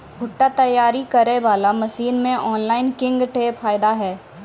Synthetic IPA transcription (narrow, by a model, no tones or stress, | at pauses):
bʱʊʈːat̪ɐjːaːɾikɐɾeʋaːlamɐʃiːnmẽʔɔːnlaːɪnkɪ̃ŋɡʈeːfʰaːɪd̪aɦɛː